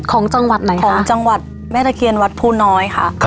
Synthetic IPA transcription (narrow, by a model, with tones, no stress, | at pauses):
kʰɔː˩˦ŋt͡ɕa˧ŋwa˨˩t̪̚na˨˩˦kjʰɔː˩˦ŋ˥˩t͡ɕa˧ŋwa˨˩t̪̚ | mɛː˥˩t̪a˧kʰi˧nwa˦˥t̪̚pʰuː˥˩nɔː˦˥jkʰa̰˦˥˩ʔ